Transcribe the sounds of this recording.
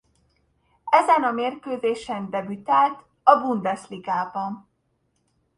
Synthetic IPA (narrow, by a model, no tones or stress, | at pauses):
ɛzɛnɒmeːrkøːzeːʃɛnd̪ɛbyt̪aːlt̪ | ɒbund̪ɛsliɡaːbɒn